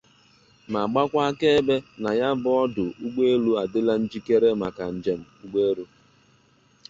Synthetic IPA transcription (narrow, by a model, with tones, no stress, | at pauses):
ma˨ɡ͡ba˦kʷa˦ke˦be˦na˨ja˦bʊ˦ɔ˦dʊ˨u˦ɡ͡be˦e˦lu˦a˨dɪ˦la˦n̩˦d͡ʒi˦ke˦ɾe˦ma˨ka˨n̩˨d͡ʒe˨m̩˨u˦ɡ͡be˦ɾu˦